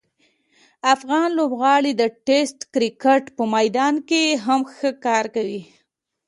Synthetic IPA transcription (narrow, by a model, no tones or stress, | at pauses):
afɣɑnlobɣɑɽid̪əʈesʈkɾɪkeʈpəmajd̪ɑnkeɦamxəkɑɾkawi